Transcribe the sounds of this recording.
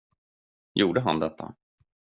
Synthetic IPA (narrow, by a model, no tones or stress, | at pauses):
juːɖəɦa̰nd̪ɛt̪ʰːa̰